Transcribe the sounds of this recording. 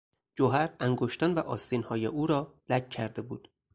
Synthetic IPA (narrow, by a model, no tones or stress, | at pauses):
d͡ʒoɦæɾæŋɡoʃt̪ænvæʔɒːst̪inhɒːjeʔuːɾɒːlæcʰcʰæɾd̪e̞buːd̪̥